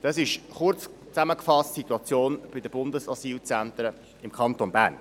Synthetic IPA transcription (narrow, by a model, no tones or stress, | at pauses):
d̥̪ɑsɪʃχʊrt͡s | t͡sæməkfɑstsit̪uɑt͡sjoːnb̥ɪd̪əb̥ʊnd̪əsɑsiːlt͡sænt̪ɾə | ɪmkʰɑnt̪onbæːɾn